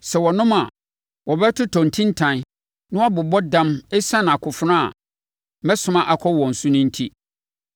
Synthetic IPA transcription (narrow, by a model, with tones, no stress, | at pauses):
sɛ˨wɔ˨nʊ̃˦ma˨ | wɔ˨bɛ˦tʰʊ˦tʰɔ̃˨n̩˨tʰĩ˦n̩˦tʰã˨n˦ | nʊ̃˦a˦bʊ˨bɔ˦dã˦mɛ˦sã˦n˨a˨kʰʊ˨fʊ˦nã˦a̰˨ | mɛ̃˦sʊ̃˦mã˦ʔa˨kʰɔ˦wɔ̃˨n̩˨sʊ̃˦nʊ̃˦n̩˦tʰi˦